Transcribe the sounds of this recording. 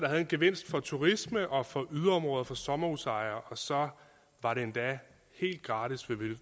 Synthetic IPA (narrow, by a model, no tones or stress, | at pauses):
d̥ɑ̈ɦæð̞̩ˠenɡ̥e̝ʋe̝n̰sd̥fɒ̽t͡sʰuʁisməʔɒ̽fɒ̽ʔyðˠɐɒ̽mʁɔ̽ːðˠɐfɒ̽sɒ̽mɐusɑ̈ɪɐʔɒ̽sɒ̽ | ʋɑ̈ɾe̝end̥ɛ | he̝̰ːld̥̚ɡ̥ʁɑ̈ːdisʋe̝ʋe̝l